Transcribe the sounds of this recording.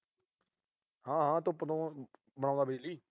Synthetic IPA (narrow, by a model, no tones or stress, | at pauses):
hãːɦãːt̪õːpət̪õː | bəɽãːnd̪aːbed͡ʒliː